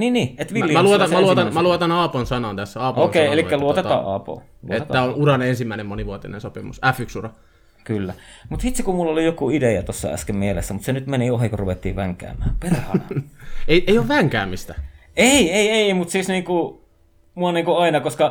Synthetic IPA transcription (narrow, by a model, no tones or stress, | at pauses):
niːnniːet̪ʋilːimæluot̪ɑæluoɑnmæluot̪ɑnɑːponsɑnɑnt̪æsːæɑːpokeielikːæluot̪et̪ɑ̰ːʔɑ̰ːpo̰ː | luoet̪et̪ːæonuɾɑnensimːæˑinemmoniʋuot̪inḛnsopimusæfyksurɑ | kylːæmut̪hit̪sikumulːolijokuidejæt̪osːɑ̰æ̰skemmielḛsːæmut̪senyt̪meniohikoruʋet̪ːḭːʋæŋkæ̰ːmˑæːperhɑ̰nɑeieijoʋʋæŋkæːmist̪æ | eieieieimut̪siːsniːŋku | muɑniːŋkuɑinɑkoskɑ